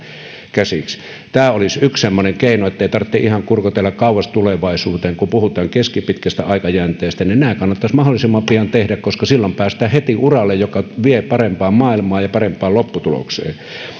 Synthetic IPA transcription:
kæsiks | t̪æːolisykssemːoneŋkeˑinoet̪ːæeˑit̪ɑrt̪ːeʔihɑŋkurkot̪elːɑkkɑˑuwˑɑst̪uleʋɑˑisuːt̪eːŋkumpuhut̪ˑɑːŋkeskipit̪kæst̪æɑˑikɑjæːnt̪ˑeːst̪æninæːkɑnːɑt̪ːɑsmɑholːˑisimːɑmpiɑnt̪ehdækkoskɑsilːompæːst̪æːhet̪iʔurɑlːejjokɑʋiepɑrempɑːmmɑːilmɑːjɑpɑrempˑɑːlopːut̪ulo̰ksḛː

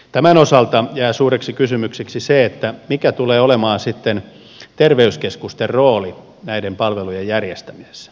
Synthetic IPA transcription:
t̪æmænosɑlt̪ɑjæːsuːɾeksikysymykseksiseet̪ːæmikæt̪uleːolemɑːnsit̪ːen | t̪erʋeyskeskust̪erroːli | næidempɑlʋelujejjærjest̪æmise̥s

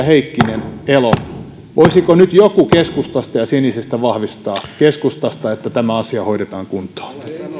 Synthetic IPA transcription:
heikːinenelo | ʋʔoisikonyt̪jokukeskust̪ɑst̪ɑjɑsenisest̪æʋɑhʋist̪ɑːkeskust̪ɑst̪ɑet̪ːæt̪æmæɑsiɑhoiɾet̪ɑːŋkunt̪o̥ː

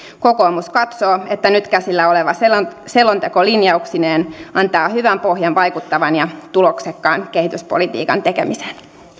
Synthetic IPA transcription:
koko̞ːmuskɑt̪soːet̪ːænyt̪kæsilːæoleʋɑselselːont̪ekolinjɑuksineːnɑnt̪ɑːhyʋæmpohjɑnʋɑjkut̪ːɑʋɑnjɑt̪uloksekːɑːnke̞hit̪yspolit̪ḭːkɑ̰nt̪ekemisen

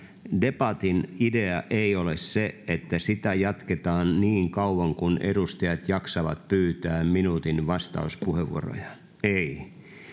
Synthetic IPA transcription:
depɑt̪inideɑʔeiolesseet̪ːæsit̪æjɑt̪ket̪ɑːnniːŋkɑuʋɑŋkunʔeɾust̪ɑjɑt̪jɑksɑʋɑ̰t̪̚pyːt̪æːmminuːt̪inʋɑst̪ɑ̰uspuheʋːṵo̰ro̰jɑ | ei

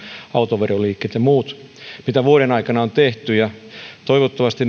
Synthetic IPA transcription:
ɑut̪oʋeroliːkːeːt̪jɑmuːt̪mit̪æʋuoɾenɑikɑnɑont̪eht̪yjɑt̪oiʋot̪ːɑʋɑst̪in

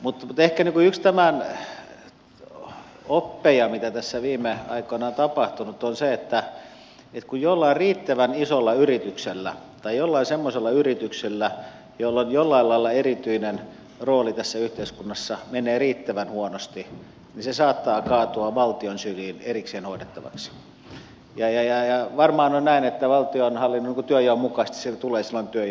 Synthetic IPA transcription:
mut̪mut̪ehkæniŋkuykst̪æmæn | opːejɑmit̪æt̪æsːæʋiːmˑeɑ̰ikonɑont̪ɑpɑht̪unut̪onseet̪ːæ | et̪kujjolːɑirriːt̪ːæʋænisolːɑyrit̪ykselːæ | t̪ɑijolːɑisemːoselːɑyrit̪ykselːæ | jolːonjolːɑilɑilːɑerit̪yinen | roːlit̪æsːæyht̪eiskunːɑsːɑmeneːriːt̪ːæʋænhuonost̪i | nisesɑːt̪ːɑːkɑːt̪oɑʋɑlt̪ionsyliːnerikseːnhoˑidet̪ːɑʋɑ̰ks | jɑjɑjɑjɑʋɑrmɑːnonnæinet̪ːæʋɑlt̪ionhɑlːinːoniŋkut̪yøjæommukɑst̪i̥sit̪uleːsilːont̪yøj

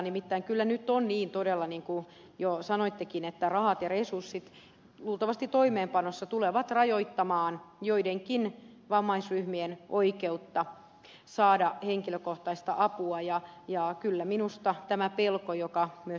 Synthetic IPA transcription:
nimit̪ːæiŋkylːænyt̪ːonniːnt̪odelːɑniːŋku | josɑnoit̪ːekinet̪ːærɑhɑt̪jɑresursːit̪ | luːlt̪ɑʋɑst̪it̪t̪oimeːmpɑnosːɑt̪uleʋɑt̪rɑjoit̪ːɑmɑːnjoideŋkin | ʋɑmːɑisryhmienʔoikeut̪ːɑ | sɑːdɑheŋkiløkoht̪ɑist̪ɑʔɑpuɑjɑjɑkylːæminust̪ɑt̪æmæpelkojokɑmyø

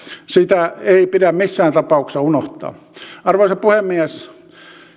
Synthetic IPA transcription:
sit̪æeipiɾæmmisːæːnt̪ɑpɑˑuksɑunoht̪ˑɑ̰ː | ɑrʋoːsɑpuhemːiæs

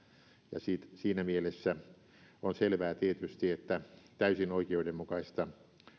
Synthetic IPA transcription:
jɑ̰siːt̪siːnæmielesːæ | onselʋæːt̪iet̪yst̪iet̪ːæt̪æysinoikeoudemmukɑist̪ɑ

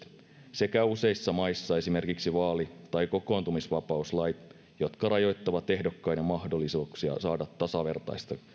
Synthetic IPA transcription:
se̞kæuse̞isːɑmɑisːɑe̞sime̞rkiksiʋɑːlit̪ɑjko̞ko̞ːnt̪umisʋɑpɑuslɑjt̪ | jo̞t̪kɑrɑjo̞jt̪ːɑʋɑt̪e̞hdokːɑjnemɑhdolːˑisuːksiɑ̰sɑːdɑt̪ːɑsɑʋe̞rt̪ɑ̰jst̪ɑ

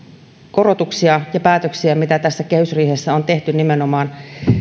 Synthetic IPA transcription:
korot̪uksiɑjɑpæːt̪øksiæmit̪æt̪æsːækehysriːhesːæont̪e̞ht̪ynimenomɑːn

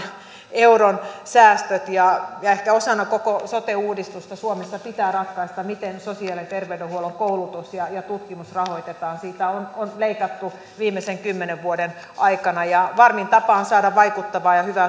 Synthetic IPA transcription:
euronsæːst̪øt̪jɑjɑehkæosɑnːɑkokosot̪euːdist̪ust̪ɑsuomesːɑpit̪æːrɑt̪kɑist̪ɑmit̪ensosiɑlit̪erʋeydehuoloŋkoulut̪usjɑjɑt̪ut̪kimusrɑhoit̪et̪ɑːnsiːt̪æononleikɑt̪ːu | ʋiːmːeseŋkymːeneʋʋuoden | ʔɑikɑnɑjɑʋɑrmint̪ɑpɑːonsɑːdɑʋʋɑikut̪ːɑʋɑːjɑhyʋæ

